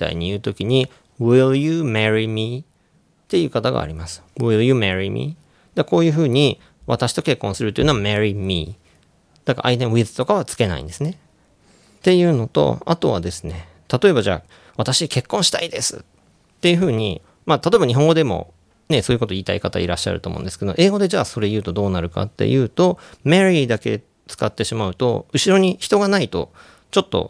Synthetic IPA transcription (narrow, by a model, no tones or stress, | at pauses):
t̪a̰ḭɲ̟ijɯ̟ːt̪o̞kʲiɲ̟i | wiɾjɯmeɾimʲi | t̪e̞jɯ̟ːkat̪aɡa̰ːɾʲimasɨ̥wiɾjɯ̟meɾimʲḭ | d̪̥eko̞ːjɯ̟ːɸɯ̟ːɲ̟i | βa̰t̪aɕi̥t̪o̞ke̞kːõ̞ɰ̃sɨɾɯt̪oiɯ̟noameɾʲimʲḭ | d̪̥akaʔa̰it̪ẽ̞ɰ̃βizɨ̥t̪o̞kaβ̞at͡sɨ̥ke̞na̰ḭ̃d̪e̞sɨne | t̪e̞jɯ̟ːno̞t̪o̞̰a̰t̪o̞β̞a̰d̪e̞sɨ̥ne̞ | t̪at̪o̞e̞baʑa̰ː | βat̪aɕike̞kːõ̞ɰ̃ɕi̥t̪aid̪e̞sɨ̰ | t̪ːe̞jɯ̟ɸɯ̟ːɲ̟ḭ | maːt̪at̪o̞ebaɲ̟iɦõŋɡo̞d̪e̞mo̞̰ | ne̞so̞ːjko̞t̪oiːt̪a̰ikat̪a̰iɾaɕːa̰ɾɯ̟t̪oːmõ̰ːnd̪eske̞d̪oʔe̞ːɡo̞d̪e̞d͡ʑaːso̞ɾe̞jɯ̟ːt̪o̞d̪o̞ːnaɾɯ̟ka̰t̪ːe̞̰jɯ̟ːt̪o̞meɾʲid̪ake̞̰ | t͡sɨ̥kat̪ːe̞ɕimaɯ̟t̪o̞̰ɯ̟ɕiɾo̞ɲ̟içi̥t̪o̞ɡanait̪o̞̰ | t͡ɕo̞t̪ːo̞̰